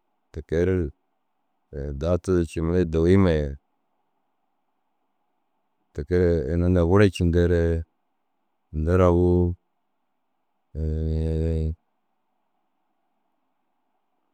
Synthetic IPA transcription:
ta˨ke˦ɾe˦˨ | da˦tu˦˨t͡ʃi˨m˨˦le˦da˨wi˦ma˨je˨ | ta˨ke˦ɾe˦˨na˦nda˨wu˦ɾa˦t͡ʃi˨nde˦ɾe˦˨ | nda˦ɾa˨wu˦˨˦

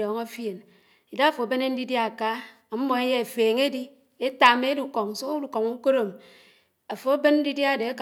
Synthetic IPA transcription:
ɔ˨ŋa˦fje˨n | i˨da˦a˨fo˨be˦ne˦n̩˦di˦dja˦˨ka˦˨˦ | m̩˦mo˨e˦je˦e˨feː˨ŋe˦di˦ | e˦ta˨me˦du˦˨kɔ˨ŋ̩˨so˦kdu˦kɔ˨ŋu˦ko˦ɾo˨m | a˨fo˨a˦be˦nn̩˦di˦dja˦˨de˨˦k

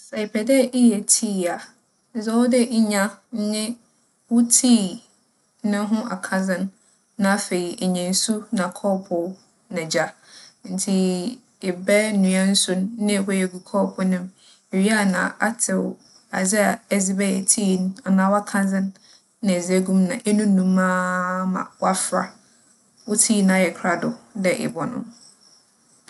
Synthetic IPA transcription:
sɛ˨ɪ˨pʰɛ˨dɛ˦ʔi˦jɛ˨tʰiː˦˨a˨˦ | zɛ˦wɔ˦dɪ˦ʔi˦ɲã˦n̩˦ɲɪ̃˦ | wʊ˦tʰiː˦ | nʊ̃˦ɦʊ̃˦ʔa̰˨kʰã˨zɪ̃˦nː | ã˦a˦fe˨i˨ʔe˨ɲɛ̃˨n̩˨su˦nã˨kʰɔː˦pʰʊ˨˦ | nã˨d͡ʑa˦ | n̩˨tʰi˦ | ɪ˨bɛ˦nũ˨ã˦n̩˦sʊ˦n˦nɪ̃˦˨wɔ˦jɛ˨ɡu˨kʰɔ˦pʰʊ˨nɪ̃˦m | e˨ɥi˦a˦nã̰˨a˦tʰɪ˨w | a˨zɪ˦a˨ɛ˨zɪ˦bɛ˦ɛ˨tʰiː˦˨na˨nã˨˦wa˦kʰã˦nzɪ̃˦nː | ã˨zɪ˦ɛ˦ɡũ˦mnã̰˨ʔɛ˦nũ˦nũ˦mã˦mã̰˨wa˦fɾa̰˨ | wʊ˦tʰiː˦˨nã˦˨˦jɛ˨kʰɾa˦dʊ˨dɛ˨ʔɪ̰˨bɔ˨nʊ̰̃˦m

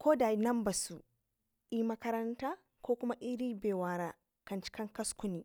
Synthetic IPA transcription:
koː˦da˨nɐ˦mba˨su˨ | ʔi˦mɐ˦kɐ˦ɾɐ˦ntaː˦ | koː˦kʷʊ˦ma˦ʔi˦ɾiː˦beː˨waː˦ɾaː˦ | kɐ˨nt͡ʃi̥˦kɐ˦ŋkɐ˦skʊ˦ni˨

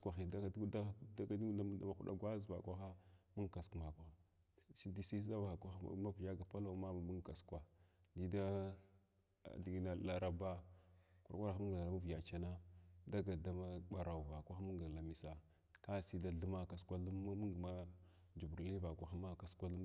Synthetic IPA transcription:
kʷa˨xi˨da˦da˦da˦ka˦di˦a˦da˦˨ma˨xu˦ɗa̰˦ɡwa˦zva̰˨kʷa˦xa˦mu˦ŋka˨skma˨kʷa˨˦xa˨ | si˦di˦si˦sa˦va˨a˨kʷa˦xma˦vja˦ɡa˨pa˦la˦˨u˦ma˦ma˨mu˦ŋka˨skwa˨di˦da˦˨ | di˨ɡi˨na˨la˨ɾa˨ba˦kʷu˦ɾkʷa˦ɾa˨xu˦ŋɡa˨la˨la˨˦ma˦vja˨t͡ʃa˦na˦da˦ɡa˨da˦ma˦ɓa˨ɾa˨u˨va˨kʷa˦xa˦mu˦ŋɡa˨la˨mi˨sa˨ | ka˦si˦da˦ɮu˦ma˦˨ka˨skʷa˦u˦mu˦ŋɡma˦ | d͡ʒu˨bu˨ɾli˦va˨kʷa˨xa˦ma˦˨ka˨skʷa˦u˦

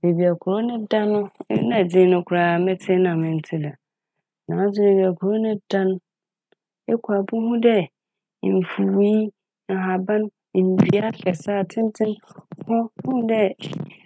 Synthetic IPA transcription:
e˨bi˨a˨kʰʊ˨ɾo˦nʊ̃˦dã˦nʊ̃˦nã˦˨d͡zɪ̃˦nʊ̃˦kʰʊ˨ɾa˨mɛ˦tʰɪ˦nã˨mɪ̃˨n̩˨˦tʰɪ˦la˨ | nãː˨˦s̬ʊ˦e˨bi˨a˨kʰʊ˨ɾo˦nʊ̃˦dã˦n˦ | ɛ˦kʰa˨bʊ˦ɦʊ̃˦dɛ˦˨ | m̩˨fu˨wi˦ | a˨ɦa˨bã˦n̩˨ | bi˨˦a˦kʰɛ˨saː˦˨tʰɪ̃˦n˦tʰɪ̃˦mhɔ˦hʊ̃˦dɛ˦

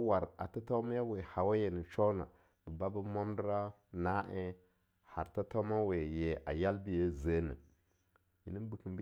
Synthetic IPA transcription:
wa˨ɾa̰˨ta˦ta˦ma˦ja˦we˨ha˨wa˦je˨ni˨t͡ʃo˦na̰˨ | bə˨ba˦bə˦mo˦mdɾa˦ | na˦ʔe˦ | ha̰˨ɾta˦ta˦ma˦we˨je˨ʔa̰˨ja˦lbi˦je˦ze˦nə̰˨ | ji˨ni˦bi˨ki˨b

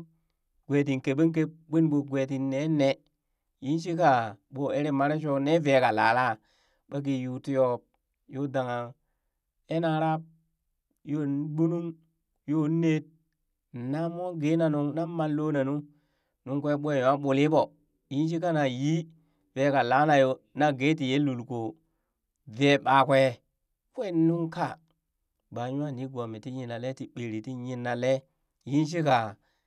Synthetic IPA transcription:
ɡ̥ʷe˨t̬i˨ŋke˨bi˦k̬e˦bi˦nɓo˨ɡʷe˨ti˨nːe˦ne˨ | ji˦nʃ̬i˦ka˨ɓo˨˦e˦ɾi˦ma˦ɾe˦ʃo˦ne˦ve˨ka˨la̰ː˨la˦ | ɓa˦k̬i˨ju˨ti˦jo˦p̚ | jo˦da˨ŋa˨ | e˦na˨ɾa˦p̚ | jo˦n˦bu˦nu˦ŋ | jo˦ne˦t̚ | na˦mo˦ɡi˦na˨nu˨ŋna˦ma˨llo˦na˨nu˦ | nu˦ŋkʷe˦ɓʷe˦˨ɲ˨a˦ɓu˨li˦bo˨ | ji˦n˦ʃ̬i˦ka˦na˨ji˦ | ve˨˦ka˨la˦na˨jo˨ | na˦ɡe˦ti˨je˦lu˨lko˨ | ve˨˦ɓa˨kʷe˦˨ | kʷe˦nu˦ŋka˦˨ | ba˨ɲu˦a˦˨ni˦ɡo˨mi˨ti˦ɲi˨na˨le˦ti˨ɓe˨ɾi˨ti˦ɲi˨nːa˨le˦ | ji˦nʃ̬i˦ka˨

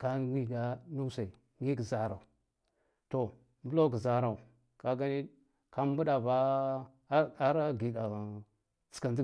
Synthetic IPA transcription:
ka˦ɡi˦ɡa˦nu˦sa˨i˨ | ŋi˦ɡə˨za˨ɾa˨u˨ | to˨ | mbu˦lo˦ɡə˨za˨ɾa˨u˨ | ka˦ɡa˦ni˦ | ka˦m˦bu˦ɗa˨va˦ | a˦ɾa˦ɡi˨da˨ | t͡si̥˨ka˨ndi˦

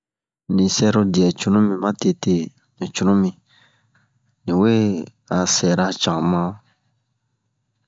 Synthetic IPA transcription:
nĩ˨sɛ˦ɾo˧djɛ˨t͡ʃu˦nũ˦mĩ˨mã˦te˧te˦ | nĩ˨t͡ʃu˦ũ˦mĩ˨ | nĩ˨we˦ | a˨sɛ˨ɾa˦t͡ʃã˨mã˦

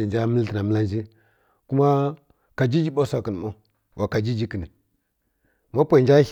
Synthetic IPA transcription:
i˨nd͡ʒa˦mə˦ltə˨na˨mə˦la˦n˦d͡ʒi˦ | ku˦ma˦ | ka˨d͡ʒi˦d͡ʒi˦ɓo˦sa˨kə˨n˨mo˦ | wa˨ka˨d͡ʒi˦d͡ʒi˦ki˨ni˨ | ma˦pʷa˨d͡ʒa˦

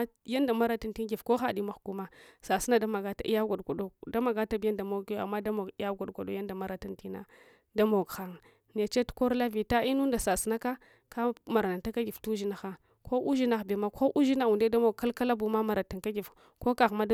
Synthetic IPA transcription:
ja˦nda˨ma˦ɾa˦ta˨nti˦ɡi˨fko˦xa˦˨di˦ma˨xɡu˦ma˦sa˨si˦na˦da˦ma˨ɡa˦ta̰˦ʔḭ˦ja˦ɡʷa˨dɡo˨do˦da˦ma˨ɡa˦ta˦bi˦ja˦nda˨mo˦ka̰˨mːa˦da˦mo˨ɡi˦ja˦ɡa˨ɡʷa˨do˦ja˦nda˨ma˦ɾa˨ta˦nti˦na̰˦ | da˦mo˨ɡxa˦˨ŋ˨ | ne˨t͡ʃe˦tu̥˦ko˦ɾla˦vi˨ta˦i˦nu˦nda˨sa˨si˦na˦ka˦ | ka˦ma˨ɾa˨na˨nta˦ka˦ɡi˨ftu˦ʒi˦na˨xa˦ | kʰo˦ʔu˦ʒi˦na˨xbe˨ma˦ko˦ʔu˦ʒi˦na˨u˨nde˦da˦mo˨kːa˦lka˦la˦bu˨ma˦ma˨ɾa˨ta˨ka˦ɡi˨f | ko˦ka˨ɣma˦

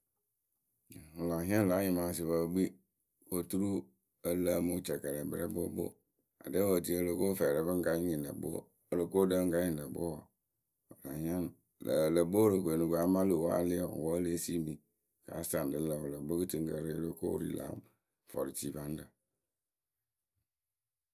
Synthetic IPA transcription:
o˨la˨ɦĩ˦ã˦n˨la˨˦ɲɪ˨ma˨˦s̬ɪ˨ba˨ɡ͡bi˦ | o˨tu˦ɾu˦ | ə˦la˦mo˦t͡ʃɛ˨kɛ˨ɾɛ˨bɾɛ˦bo̰˦bo̰˦ | a̰˨de˦wo˨ti˦o˦lo˦ko˦fɛ˨ɾɛ˨bə˦ŋ̩˦ka˦ɲ˦ɲi˨n˨ə̰˨bo̰˦˨ | lo˨ko˦da˦ŋ̩˦ka˦ɲĩ˨n˨lə˨bo̰˦˨ | la˨hĩ˦a˦n˨ | lə˨bo˦ɾo˨ke˨nu˨ɡa˨˦ma˦lo˨wa̰˦lɪ˦˨wɔ˦le˦si˦mi˨ | ka̰˨˦sta˨n˨dɪ˨˦la˨wo˨la˨bo˦kɨ˦ti˨ŋ˦kə˨ɾɪ˦lo˦ko̰˦ɾḭ˨la̰˨˦m | fɔ̰˨ɾi˨ti˨˦ba˨˦n˦də˨

